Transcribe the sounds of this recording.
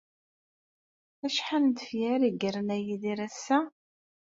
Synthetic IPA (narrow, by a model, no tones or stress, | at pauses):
æʃħanənt̪əfjæɾiɡəɾənæjiðiɾæsːæ